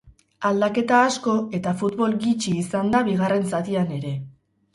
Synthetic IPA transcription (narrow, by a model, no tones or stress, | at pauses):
ald̪ake̞t̪aːsko̞e̞t̪afut̪βo̞lɡit͡ʃiːsand̪aβiɣ̞are̞nsat̪iane̞ɾe̞